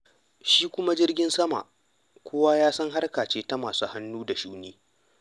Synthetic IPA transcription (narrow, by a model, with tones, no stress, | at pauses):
ʃiː˦kʷʊ˦ma˦d͡ʒɪ˦rɡʲɪ˦nsɐ˦ma̰˨ʔ | kʷʰʊ˦waː˦jaː˦sɐ˦ŋɦa˦rkaː˨t͡ʃeː˦ta˦maː˨suː˦ha˦nːuː˦da˨ʃuː˦niː˦